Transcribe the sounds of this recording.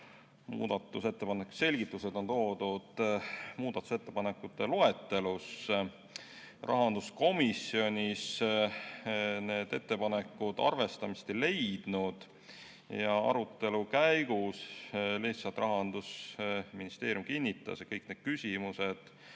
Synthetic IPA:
mṵːd̪̥ɑt̪ːˑuse̞t̪ːe̞pɑnekːu̥se̞lʲɡ̥it̪ːˑuse̞d̪̥o̞nt̪o̞ːd̪̥ud̪̥muːd̪̥ɑt̪ːˑu̥se̞t̪ːe̞pɑnekːˑut̪ːe̞loe̞t̪ːe̞lus | rʔɑ̰ɦɑnd̪usko̞misio̞nʲis | ne̞ːd̪̥e̞t̪ːe̞pɑnekːˑud̪̥ɑ̰rve̞st̪ɑmist̪ele̞jd̪̥nud̪̥ | jɑɑ̰ɾut̪ˑːe̞lukæjɡ̥usliht̪sɑlt̪ˑɾʔɑɦɑnd̪̥usminist̪e̞ːɾʲjumkinʲːit̪ːˑɑ̰sjɑkɤjkne̞d̪̥̚kysʲimused̪̥

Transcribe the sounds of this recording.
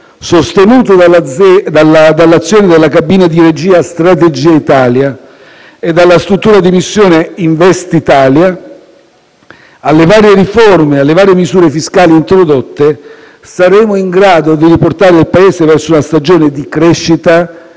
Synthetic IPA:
sost̪enuːt̪oad̪alad̪alːat̪sːjoːned̪elːakabiːnad̪iɾed͡ʒiːast̪ɾat̪ed͡ʒiːait̪aːlja | ed̪ːalːast̪ɾut̪ːuːɾad̪imisːjoːneiɱvɛst̪it̪aːlja | alːevaːɾjeɾiformealːevaːɾjemizuːɾefiskaːliːnt̪ɾod̪ot̪ːe | saɾɛːmoiŋɡɾaːd̪od̪iɾiport̪aːɾeilpaeːsevɛrsounast̪ad͡ʒoːned̪ikɾɛʃːit̪a

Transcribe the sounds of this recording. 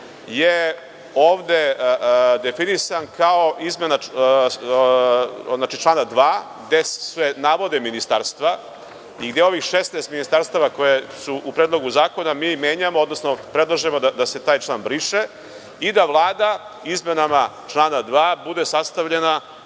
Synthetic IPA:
je | oːʋd̪e̞ | d̪e̞finisankaoʔizme̞na | znaːt͡ʃit͡ʃlaːnad̪ʋaːɡd̪esʋenaːʋo̞d̪eminist̪aɾst̪ʋa | iɡd̪jeo̞ʋixʃesnest̪minist̪aɾst̪aʋakojesuʔupɾed̪lˠo̞ɡuzaːko̞namiːmjeːɲamood̪no̞sno̞pɾe̞d̪lˠaʒemod̪ad̪ase̞t̪aːjt͡ʃlˠaːnbɾiːʃe | id̪aʋlˠaːd̪a | izme̞nama | t͡ʃlˠaːnad̪ʋaːbud̪e̞sast̪aʋʎena

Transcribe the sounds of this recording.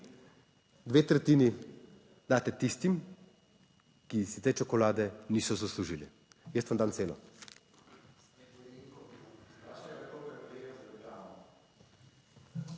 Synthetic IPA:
d̪ʋeːt̪ɾɛt̪iːni | d̪aːt̪ɛt̪ist̪im | kisit̪eːt͡ʃɔkɔlaːd̪ɛniːsɔzasluʒili | jest̪ʋamd̪aːnt̪seːlɔ̰

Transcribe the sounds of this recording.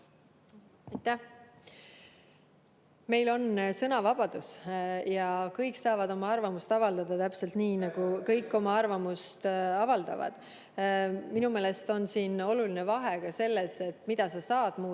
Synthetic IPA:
ɑjt̪ːæh | me̞jlo̞nsɤnɑvɑb̥ɑd̪̥usjɑkɤjksɑːvɑd̪o̞mɑɑrvɑmust̪ɑvɑld̪̥ɑd̪̥ɑt̪æpse̞lt̪niːnɑɡ̥ukɤjkːˑo̞mɑɑrvɑmust̪ɑvɑld̪ɑ̰vɑ̰d̪̥ | minume̞ːle̞st̪o̞nsiːno̞luline̞vɑɦe̞kɑse̞lːese̞t̪ːmid̪̥ɑsɑsɑːd̪̥muː

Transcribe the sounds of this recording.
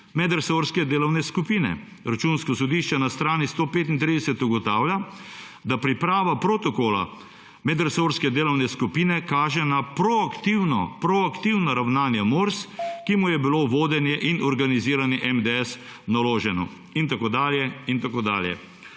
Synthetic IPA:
mɛd̪ɛɾsoɾskɛd̪eːlɔwnɛskupiːnɛ̰ | ɾat͡ʃuːnskɔsɔd̪iʃt͡ʃɛnast̪ɾaːnist̪oːpeːt̪int̪ɾiːd̪ɛsɛt̪uɡɔt̪aːwlja | d̪apɾipɾaːʋapɾot̪ɔkoːla̰ | mɛd̪ɛɾsoːɾskɛd̪eːlɔwnɛskupiːnɛkaːʒɛnapɾɔakt̪iwnɔ̰pɾɔakt̪iwnaɾawnaːnjɛmoɾskimujɛbiloːʋoːd̪ɛnjɛʔinɔɾɡaniziːɾanjɛʔɛmd̪ɛɛs | naloːʒɛnɔ̰ | int̪akoːd̪aːljɛint̪akoːd̪a̰ːljɛ̰

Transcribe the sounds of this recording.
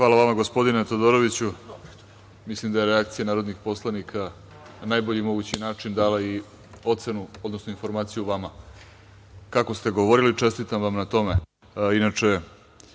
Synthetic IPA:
xʋaːlaʋamaɡo̞spo̞d̪inet̪od̪o̞ɾo̞ʋit͡ɕu | mislimd̪ajeɾeakt̪sijanaːɾo̞d̪nixpo̞slˠanikʰa | nanajbo̞ʎimo̞ɡut͡ɕinaːt͡ʂind̪aːlai | o̞t̪se̞nuo̞d̪nosnoinfo̞ɾmaːt̪sijuʋama | kako̞st̪e̞ɡo̞ʋoɾilit͡ʂe̞st̪it̪amʋamnat̪o̞me̞ | inat͡ʂe̞

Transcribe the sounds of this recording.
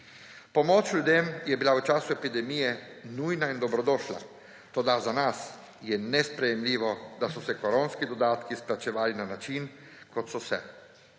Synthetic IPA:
pɔmɔt͡ʃlʲjud̪emjɛbilaut͡ʃaːsuɛpid̪ɛmijɛ | nujnaind̪ɔbɾɔd̪ɔːʃla̰ | t̪od̪azanas | jɛnɛspɾɛjɛmlʲiːʋɔd̪asɔsɛkɔɾonskid̪ɔd̪aːt̪kisplat͡ʃɛʋaːlinanat͡ʃinkɔt̪sɔsɛ̰

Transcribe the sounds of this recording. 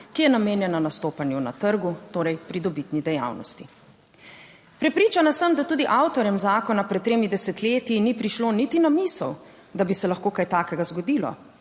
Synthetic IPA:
kijɛnameːnjɛnanast̪oːpanjuna̰t̪əɾɡut̪oːɾɛjpɾid̪ɔbit̪nid̪ɛja̰wnɔ̰st̪i | pɾɛpɾiːt͡ʃanasəmd̪at̪uːd̪iʔawt̪ɔɾjɛmzaːkɔnapɾɛt̪̚t̪ːɾeːmid̪ɛsɛt̪leːt̪jinipɾiʃloːnit̪inamisəw | d̪abisɛlaxkoːkaːjt̪aːkɛɡazɡɔd̪iːlɔ̰

